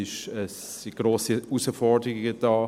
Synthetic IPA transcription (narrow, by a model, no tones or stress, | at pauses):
ɪʃəs | iɡ̥ɾoːsiusəfɔɹdəʁɪɡəd̥ɑː